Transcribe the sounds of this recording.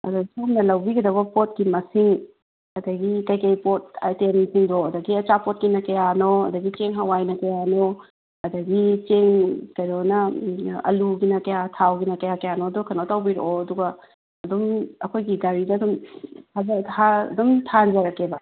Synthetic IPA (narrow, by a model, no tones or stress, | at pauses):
ɐ̰dɐsomnɐlɐwbiɡɐdɐβɐpot̚kimɐsiŋ | ɐdɐɡitɐjkɐjpot̚atensiŋdoɐdɐɡiɐt͡ʃapot̚kinɐkɐjanoɐ̰dɐɡit͡ʃeŋɦawajnɐkɐjano | ɐdɐɡit͡ʃeŋkɐjɾonɐɐ̰luɡinɐkɐjatʰawɡinɐkɐjakɐjanoɐdokʰɐnotɐwbiɾo̰oɐduɡɐ | ɐdumɐkʰojɡiɡaɾidɐdumtʰazɐha̰dumtʰand͡ʒɐɾɐkebɐ